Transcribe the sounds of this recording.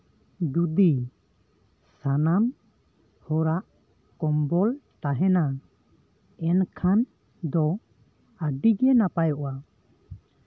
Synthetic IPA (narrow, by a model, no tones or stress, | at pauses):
d̪ud̪i | sanan | hɔɾaʔ | kɔmbɔlt̪aɦɛna | ɛnkʰan | d̪ɔ | aɖiɡɛnapajɔʔwa